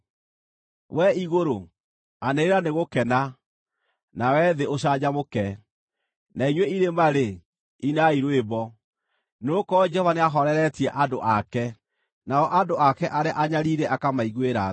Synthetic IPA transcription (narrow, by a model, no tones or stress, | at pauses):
wɛiɣoɾo | aneɾeɾaneɣokɛna | nawɛðeoɕ̬ad͡ʑamokɛ | naiɲweiɾemaɾe | inaiɾwebɔ | nokɔd͡ʒɛhɔvaneaɦɔɾɛɾɛtiɛʔadoʔakɛ | naɔʔadoakɛʔaɾeaʔaɲaɾiɾɛʔakamaiɣweɾa